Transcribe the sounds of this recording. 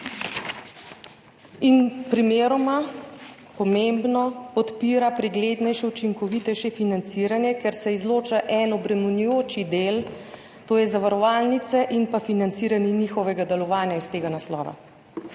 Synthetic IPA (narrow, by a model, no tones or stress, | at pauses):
inpɾimeːɾɔma | pɔmembnɔpɔt̪piːɾapɾɛɡleːd̪nɛjʃɛut͡ʃiŋkɔʋit̪ɛjʃɛfinant̪siːɾanjɛkɛɾsɛizloːt͡ʃaʔɛnɔbɾɛmunujoːt͡ʃid̪eːl | t̪oːjɛzaʋaɾɔʋaːlnit̪sɛʔinpafinant̪siːɾaniniːxɔʋɛɡad̪ɛlɔʋaːnjaist̪eːɡanaslɔ̰ːʋa̰